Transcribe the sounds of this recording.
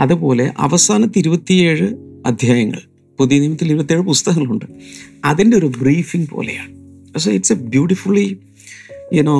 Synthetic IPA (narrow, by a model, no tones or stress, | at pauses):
ɐðupo̞ːle̞ʔɐ̰ʋɐsaːnɐt̪ːiɾubɐt̪ːije̞ːɻɨɐd̪ʱjaːjɐŋːɐ̰ɭ | puðijɐniːmɐt̪ːiliɾubɐt̪ːieːɻɨpust̪ɐɦɐŋːɐɭuɳɖɨɐðinde̞o̞ɾubriːfiŋpo̞̰ːlḛja̰ːɳɨpɐseiʈsɐbjuːʈifulːi | enoː